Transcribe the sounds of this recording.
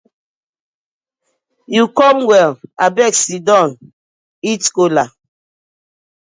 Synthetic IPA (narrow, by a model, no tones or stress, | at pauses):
jukɔmwɛlabɛksidɔ̃n | itkola